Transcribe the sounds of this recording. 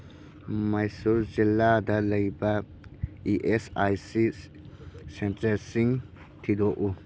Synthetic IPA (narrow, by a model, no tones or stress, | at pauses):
majsuɾzilːad̪ɐlɐjba | iʔesajsi | sentɐɾsiŋ | t̪ʰid̪oʔu